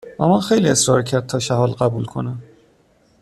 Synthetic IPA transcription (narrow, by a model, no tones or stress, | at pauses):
væmænxejliːe̞sɾɒːɾcʰæɾd̪̚t̪ʰɒːʃæɦɒːlɢæbuːlkʰo̞̰næm